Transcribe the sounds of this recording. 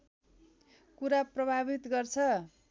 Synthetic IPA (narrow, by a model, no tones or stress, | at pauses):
kuɾaprʌbʱabit̪ɡʌrt͡sʰʌ